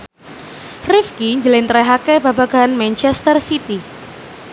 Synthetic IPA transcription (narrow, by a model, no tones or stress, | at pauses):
rɪfkiɲd͡ʒlɪnt̪ɾɛɦakɛbabaɡanmant͡ʃɛst̪ərsit̪i